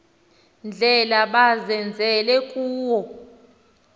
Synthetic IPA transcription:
nd͡ɮʱɛlaɓazɛnd͡zʱɛlɛkʼuːwɔ

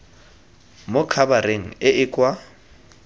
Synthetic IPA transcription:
mʊkʰabareŋ̩ɪʔɪkʼwa

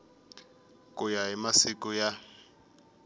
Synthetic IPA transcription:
kujaɦimasikuja

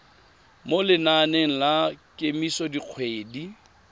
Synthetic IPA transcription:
molɪnaneŋ̩lakʼemisɔdiq͡χʰweːdi

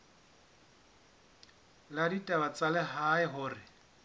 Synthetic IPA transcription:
laditʼabat͡sʼalɛɦaɪɦʊːrɪ

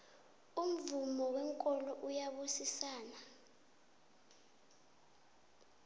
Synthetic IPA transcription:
um̩vumɔwɛŋkʼɔlɔʔujaɓusisaːna

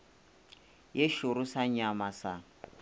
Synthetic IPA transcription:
jeʃʊɾʊsaɲamasa

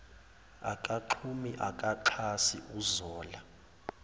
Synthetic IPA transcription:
a̰kʼaǃʰumiʔakʼaǃʰasiʔuzɔːla

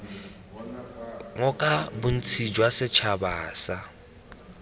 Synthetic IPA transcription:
ŋɔkʼabʊn̩t͡sʰid͡ʒwasɪt͡ʃʰabaːsa

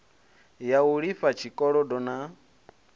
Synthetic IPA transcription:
jauɺifat͡ʃʰikʼɔɺɔdɔna

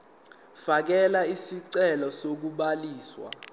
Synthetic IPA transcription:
fak̬ɛlaisiǀɛlɔsok̬uɓaliːswa̰

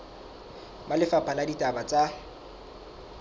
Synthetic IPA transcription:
malɪfapʰanaditʼabat͡sʼa

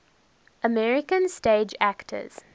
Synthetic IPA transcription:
ʔəmɛɹɪkə̃nsteːd͡ʒæktʰə̰z̥

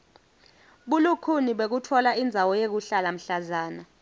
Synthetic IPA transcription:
ɓulukʰuniɓek̬utʰɔlaind͡zʱawɔjek̬uɬalam̩ɬazaːna

